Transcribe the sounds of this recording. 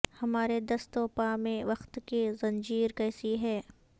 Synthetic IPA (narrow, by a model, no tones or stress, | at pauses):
hɐmaːɾed̪ɐst̪oːpamẽʋɐxt̪kezɐ̃nd͡ʒiːɾkɛːsiɦɛː